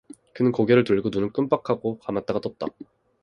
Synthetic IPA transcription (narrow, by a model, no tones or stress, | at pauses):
kɯnɯnkoɡeɾɯɭtuʎɡonunɯnk͈ɯmp͈akʰaɡokamat̚t͈aɡat͈ʌt̚t͈a̰